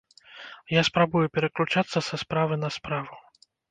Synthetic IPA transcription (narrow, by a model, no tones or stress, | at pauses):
jaspɾabujupʲɛɾɐklʲut͡ʂat̪sːɐsɐspɾavɨnɐspɾavu